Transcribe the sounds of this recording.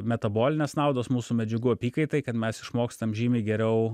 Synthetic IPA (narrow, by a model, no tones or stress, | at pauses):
mʲɛt̪ɐboːlʲɪnʲeːsnɑʊd̪oːsmuːsumʲɛd͡ʒʲɛɡuːɐpʲiːkɐɪt̪ɐɪkɐt̪mʲɛsɪʃmoːkst̪ɐmʒʲiːmʲɪːɡʲɛɾʲɛʊ